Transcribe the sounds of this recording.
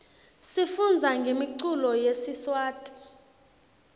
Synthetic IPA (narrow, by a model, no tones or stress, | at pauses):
sifund͡zʱaŋɡʱemiǀulɔjesiswaːtʼi̥